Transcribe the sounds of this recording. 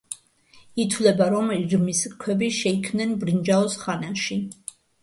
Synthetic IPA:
it̪ʰwlɛbaɾɔmɾmiskʰwɛbiʃɛikʰmnɛnbɾind͡ʒaɔsχanaʃi

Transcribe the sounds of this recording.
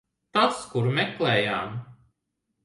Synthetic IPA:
t̪askuɾmɛklɛːjaːm

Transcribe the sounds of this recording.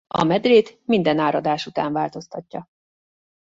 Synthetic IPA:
ɒ̰mɛd̪reːt̪mind̪ɛnaːɾɒd̪aːʃut̪aːɱvaːlt̪o̞st̪ɒcːɒ

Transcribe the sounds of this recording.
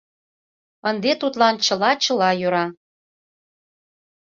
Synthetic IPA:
ənd̪et̪ut̪lɑnt͡ɕə̆lɑt͡ɕə̆lɑjøɾɑ

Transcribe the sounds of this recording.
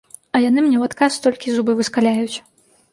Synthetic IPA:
ɐjanɨmnʲɛwat̪kast̪ɔlʲkʲizubɨvɨskalʲajut͡sʲ

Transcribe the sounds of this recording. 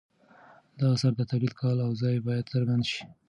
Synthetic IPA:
d̪ɑsaɾd̪ət̪awlid̪kʰɑlawzɑjbɑjad̪səɾɡand̪ʃi̥

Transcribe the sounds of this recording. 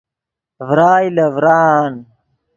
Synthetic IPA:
vɾaːilɐvɾaːn

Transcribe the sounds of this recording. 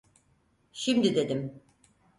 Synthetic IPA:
ʃimd̪id̪e̞d̪im

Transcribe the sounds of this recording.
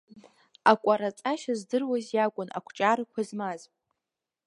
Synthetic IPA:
akʷʼaɾat͡sʼaʃazdɨrwazjakʷʼʊnʔa̰kʷʰt͡ʃʼaɾɨkʷʰazmazʼ

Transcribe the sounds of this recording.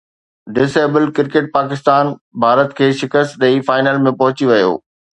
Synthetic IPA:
ɖɪseːbəlkɪɾkeːʈ̚paːkɪst̪aːnbʱaːɾət̪kʰeːʃɪkəst̪ɗɐifaːɪnaːlmẽpɐɦʊt͡ɕiʋɐjo̰ː

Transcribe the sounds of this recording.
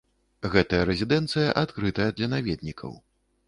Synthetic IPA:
ɣɛt̪ɐjɐɾɛzʲid̪ɛnt̪sɨjɐʔat̪kɾɨt̪ɐjɐd̪lʲɐnavʲɛd̪̚nʲikʰɐ̰w

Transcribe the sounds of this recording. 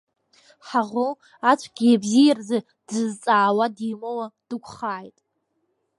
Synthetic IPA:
ħaʁʊ | at͡ʃʷʰɡʲijabzijarza | d̥ɨzt͡sʼaːwadiːmowad̥ɨkʷʰʼχaːjtʼ

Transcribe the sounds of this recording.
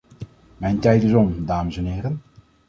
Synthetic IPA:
mɛjntɛjtɪzɔmdaːməsɛnɦɪːɾən

